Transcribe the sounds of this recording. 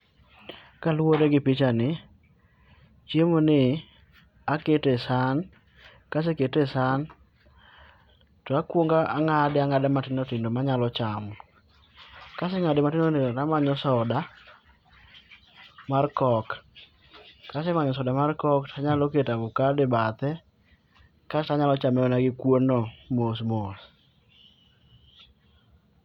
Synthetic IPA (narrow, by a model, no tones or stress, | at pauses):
kalwoɾeɡɪpit͡ʃanɪ | t͡ʃjemonɪ | aketesan | kas̬eketesan | tɔakwoŋɡaʔaŋadɪaŋadamatɪndotɪndomaɲalɔt͡ʃam | kasɛŋadɪmatɪndoteotamaɲɔsɔda | markɔk | kːasɛmaɲɔsɔdamarkɔktʰaɲalɔketabukadɪbat̪ɛ | kasɛtaɲalɔt͡ʃamɛɔnaɡɪkwonɔmos̬mos